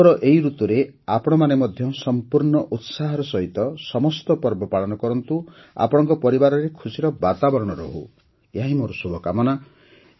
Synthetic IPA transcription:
ɾɔʔeɦiɾut̪uɾeapɔɽ̃ɔmanemɔd̪ʱjɔsɔmpuɾɳɔʔut̪saɦɔɾɔsɔɦit̪ɔsɔmɔst̪ɔpɔɾbɔpaɭɔnɔkɔɾɔnt̪u | a̰pɔɽ̃ɔŋkɔpɔɾibaɾɔɾekʰusiɾɔbat̪abɔɾɔɽ̃ɔɾɔ̰ɦṵ | eɦaɦimoɾɔsubʱɔkamɔna

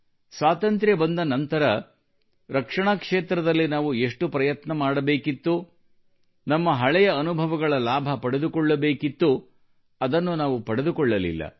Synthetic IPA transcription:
sʋaːt̪ɐnt̪ɾjebɐnd̪ɐnɐnt̪ɐɾɐ | ɾɐkʂɐɳakʂeːt̪ɾɐd̪ɐlːinaːʋue̞ʂʈupɾɐjɐt̪nɐmaːɽɐbe̞ːkit̪ːu | nɐmːɐɦɐɭɛjɐːnubʱɐʋɐɡɐɭɐlaːbʱɐpɐɽed̪ukɔɭːɐbe̞ːkit̪ːu | ɐd̪ɐnːunaːʋupɐɽed̪ukɔɭːɐlḭlːɐ̰

